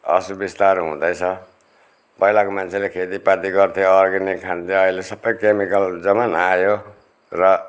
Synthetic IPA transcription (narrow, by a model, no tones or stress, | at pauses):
ʌ̰subist̪aɾɦṵ̃d̪ʌjt͡sʰʌ | pʌɦilakomant͡sʰelekʰet̪ipat̪iɡʌrt̪ʰijoːrɡinikʰant̪ʰijoʌilesʌbːʌjkemikʌld͡zʌmanajo | rʌ